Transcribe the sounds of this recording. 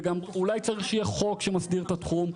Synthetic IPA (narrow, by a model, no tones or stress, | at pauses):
ɡamulajt͡saʁiχjaχo̞kʃemasd̪iʁt̪at̪χum